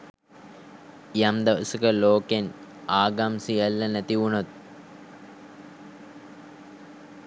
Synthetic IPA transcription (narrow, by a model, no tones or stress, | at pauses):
jɐmd̪ɐʋɐsukəloːken | aːɡamsijɐlːɐnɐt̪iʋuɳot̪̚